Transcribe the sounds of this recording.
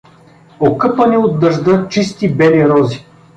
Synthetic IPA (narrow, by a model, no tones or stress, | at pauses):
okɤpəniod̪d̪ɐʒd̪ət͡ʃist̪ibɛliɾɔzi